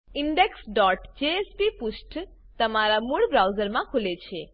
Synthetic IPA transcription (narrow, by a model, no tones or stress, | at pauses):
ɪɳɖeksɖɔʈd͡ʒeːspipuʃʈ | t̪əmaɾamuɭbɾawzəɾmãkʰulet͡ʃʰe